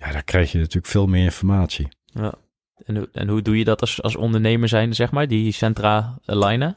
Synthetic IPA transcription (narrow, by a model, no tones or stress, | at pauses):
jaːdaːkrɛjxjənatyːləkfɪːlˠmɪːɹɪnfɔɹmaːtsi | ja̰ | ɛnuɛ̰nɦudujədɔtsɑ̰lˠsɔ̰ndəɹnejməɹzɛjnzɛχmaːɹdisɛntraːə̰lajnə